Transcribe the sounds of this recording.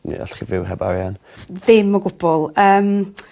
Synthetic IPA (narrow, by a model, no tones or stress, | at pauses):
nḭɔ̰ɬχivɪwɦɛba̰ɾjan | ðɪmːɔɡʊb̥ɔlˠəːm